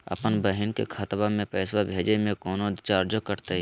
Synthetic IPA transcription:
ɐ̰pənbəɦɪnkḛkʰɐt̪bamẽpɛːswabʱeːd͡ʒemẽkɔːnot͡ʃaːɾd͡ʒokəɾt̪e

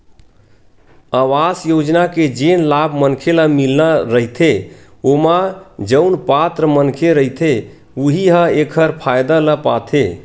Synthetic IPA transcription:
awasjod͡ʒnaked͡ʒenlabʱmənkʰeləmilnaɾəɦit̪ʰe | omad͡ʒəʊnpat̪ɾəmənkʰeɾəɦit̪ʰe | uɦiɦə̃ekʰəɾpʰajd̪aləpat̪ʰe

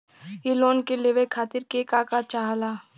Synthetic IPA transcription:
ɪloːnkeleʋekʰaːt̪ɪɾkekaːkat͡ʃaɦalaː

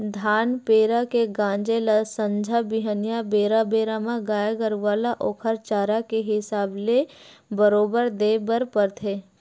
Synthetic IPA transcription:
d̪ʱaːnpeːɾakeɡãːɲd͡ʒelasə̃ɲd͡ʒʱabɪɦənjabeːɾabeːɾamãɡaːjəɡəɾʋaːlaʔoːkʰəɾt͡ʃaːɾakeɦɪsaːble | bəɾoːbəɾd̪eːbəɾpəɾt̪ʰeː

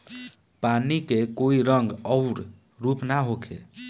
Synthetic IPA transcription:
panikekoiɾəŋɡəʊɾ | ɾupnaɦokʰḛ

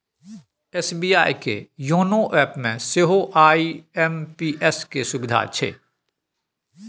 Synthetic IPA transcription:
ɛːsbiːjaːikḛjoːnoʔɛːpmẽseɦoʔaːiɛmpiːʔɛskesʊbɪd̪ʱa̰ːt͡ʃʰḛː

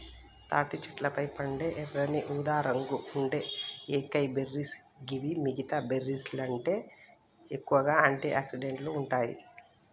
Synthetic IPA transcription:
t̪aːʈit͡ʃɐ̥ʈlɐpɐjpɐɳɖeːʔɛrɐniʔuːd̪aːɾɐŋɡuuɳɖe̞ːeːkɐjbeɾːis | ɡiʋimiɡit̪aːbeɾːislɐɳʈe̞ː | ekːuʋɐɡaːaːɳʈiaːksiɖeɳʈluːɳʈaːjḭ

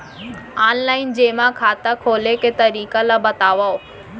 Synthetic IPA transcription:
aːnlaːɪnd͡ʑeːmãkʰaːt̪akʰoːleket̪ɐɾiːkalabɐt̪aːʋaːo

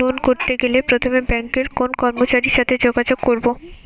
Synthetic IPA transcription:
onkoɾt̪eɡelepɾot̪ʰomebɛŋkeɾkonkɔɾmot͡ɕaɾiʃat̪ʰed͡ʑoɡad͡ʑoɡkːoɾbo

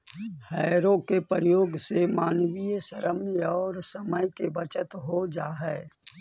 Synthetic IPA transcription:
hɛːɾõkepəɾəjoːɡsemaːnwijsəɾəmjɔːɾsəməjkebət͡ʃət̪ɦod͡ʒaːɦɛː

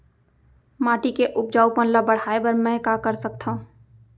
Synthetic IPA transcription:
maːʈikeʔʊp̚d͡ʒaːupənlabəɽ̤aebəɾmɛ̃kakəɾsək̚t̪ʰaɦũ

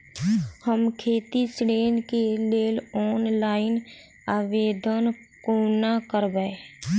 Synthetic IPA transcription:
həmkʰeːt̪isɾeːnkeleːlɔːnlaːɪn | aːʋeːd̪ən | konakəɾbəe

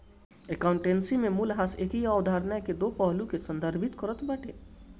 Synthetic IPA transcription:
ekaʊ̃ɳʈẽːnsimẽmulɦaseːkiaʊd̪ʱaːɾnəjked̪oːpɔɦlukesɐ̃nd̪ʱəɾbʱɪt̪kɔɾət̪bɐʈʰeː

